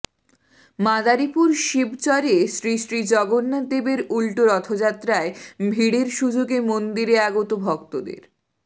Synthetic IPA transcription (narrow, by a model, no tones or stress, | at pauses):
mad̪aɾipuɾʃibt͡ɕɔɾesɾiʃɾid͡ʑɔɡonːad̪ebeɾulʈoɾɔt̪ʰod͡ʑat̪ːɾaebʱiɽeɾʃud͡ʑoɡemond̪iɾeaɡot̪obʱɔkt̪od̪ḛɾ